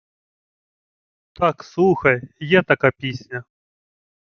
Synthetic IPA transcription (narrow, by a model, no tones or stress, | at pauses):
t̪aksuxɐjjat̪ɐkɐpʲisʲnʲɐ